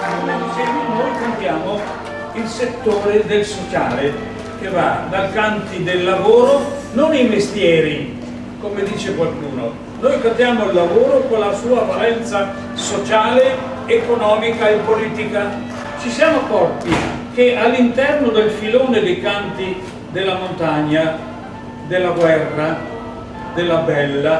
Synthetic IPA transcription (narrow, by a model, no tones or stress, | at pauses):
anamosɛmenojkant̪jaːmo | ilset̪ːoːɾed̪elsot͡ʃa̰ːle | k̟evad̪alkant̪id̪elːavoːɾo | nonimest̪jɛːɾi | komed̪iːt͡ʃekwalkuːno | nojkant̪jaːmoilːavoːɾokonlasuːavalɛnt̪sa | sot͡ʃaːle | ekonɔːmikaepːoliːt̪ika | t͡ʃisjaːmokɔpːik̟eʔalːint̪ɛrnod̪elfiloːned̪ejkant̪i | d̪elːamont̪aɲːa | d̪elːaɡwɛrːa | d̪elːabɛlːa